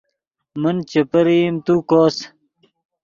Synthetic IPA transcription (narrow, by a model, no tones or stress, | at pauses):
mənt͡ɕepɐɾimt̪ukoːs